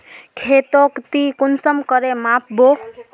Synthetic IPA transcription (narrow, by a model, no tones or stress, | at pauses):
kʰet̪okt̪ikʊnsəmkəɾemãp̚ʰbo